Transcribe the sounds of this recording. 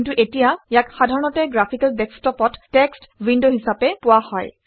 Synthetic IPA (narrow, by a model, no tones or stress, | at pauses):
ntuʔetijajakxadʱaɹɔnɔtɛɡɹapʰikaldɛkstɔpɔtːɛkstwindoɦisapɛpʊwahɔ̰j